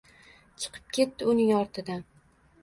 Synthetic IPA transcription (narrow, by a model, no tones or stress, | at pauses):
t͡ʃʰɨ̥qʰɨ̥p̚kʲʰe̞t̪ːɪʊnɪŋɒɾt̪ʰɪd̪an